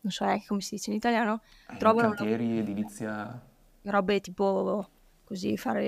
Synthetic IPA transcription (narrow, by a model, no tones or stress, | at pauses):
nõnsɔɛaŋke̥komesid̪iːt͡ʃeinit̪aljaːno | t̪ɾɔːvanot̪jɛːɾied̪ilit̪sːja | ɾɔbet̪iːpo | kozifa̰ːɾe